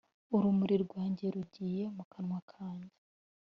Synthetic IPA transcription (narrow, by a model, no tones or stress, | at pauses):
uɾumuɾiɾɡwaːɲɟe̞ɾuɟiːje̞mukʰanŋwakʰaːɲɟe